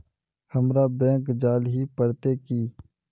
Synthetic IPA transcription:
həmɾaːbɛ̃ːkd͡ʒaːlɦiːpəɽt̪eːkiː

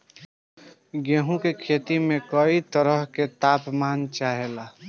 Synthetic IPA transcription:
ɡeɦũkekʰet̪imẽkəit̪əɾəɦket̪aːpmaːnt͡ʃaɦela

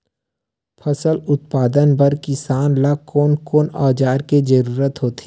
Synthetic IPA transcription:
pʰɐsəlʊt̪̚paːd̪ənpɐɾkɪsaːnlakoːnkoːnɔːd͡ʒaːɾked͡ʒəɾuːɾət̪ɦoːt̪i̥

